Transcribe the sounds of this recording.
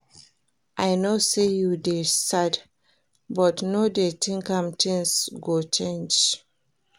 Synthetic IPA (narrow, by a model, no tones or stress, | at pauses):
ʔajnosejudesad | bɔtnodetĩŋkãmtĩnsɡot͡ʃẽnd͡ʒ